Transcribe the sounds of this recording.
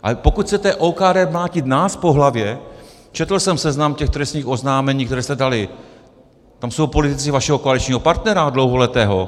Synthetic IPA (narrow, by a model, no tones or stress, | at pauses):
ʔa̰pokut̪xt͡sɛt̪ɛʔoːkaːdɛːmlaːcɪt̪naːspo̞ɦlavjɛ | t͡ʃɛt̪l̩sɛmsɛznamcɛxt̪ɾɛsɲiːxo̞znaːmɛɲiːk̚t̪ɛɾɛːst̪ɛdalɪ | t̪amso̞wpo̞lɪt̪ɪt͡sɪvaʃɛɦokoalɪt͡ʃɲiːɦo̞paɾt̪nɛɾadlo̞wɦo̞lɛt̪ɛːɦo̞̰